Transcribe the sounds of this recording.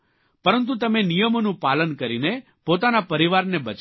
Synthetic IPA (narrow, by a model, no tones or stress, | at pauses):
pəɾənt̪̬ũt̪əmenijəmonũpalənkəɾine | pot̪anapəɾiʋaɾnebət͡ʃ